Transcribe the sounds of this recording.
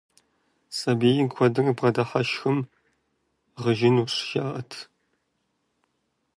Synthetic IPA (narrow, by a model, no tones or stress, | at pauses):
sʼɐbeːjɪkʷʰɔdɨrɨbʁɐdɐħɐʃxɨm | ʁəʒɪnuːɕʒaːʔɐtʰ